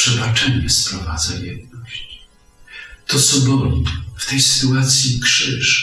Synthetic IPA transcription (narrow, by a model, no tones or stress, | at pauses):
ʂɛbat͡ʂɛɲɛspɾɔvad̪zajɛd̪̚nɔɕt͡ɕ | t̪ɔsɔɡɔlʲift̪ɛjsɘ̥t̪uat̪sʲjikʂɘʂ